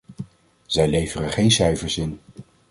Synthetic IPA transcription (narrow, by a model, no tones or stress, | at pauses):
z̥ɛjlejvərəχejnsɛjfəɹsɪn